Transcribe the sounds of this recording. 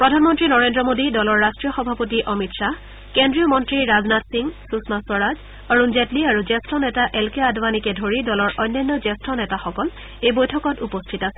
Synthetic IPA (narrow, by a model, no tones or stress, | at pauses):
pɹɔdʱanmɔntɹinɔɹendɹɔmodidɔlɔɹːastɹijɔxɔbʱapotiʔɔmitsa | kendɹijɔmɔntɹiɹaznatsiŋsusmaswɔɹaz | ɔɹunzɛtliaɹuzɛstɹɔnɛtaʔɛlkeadʱwanikɛdʱoɹidɔlɔɹʔɔjnːajnːɔzɛstɹɔnɛtaxɔkɔl | ejbojtʰɔkɔtupɔstʰitasɛ̥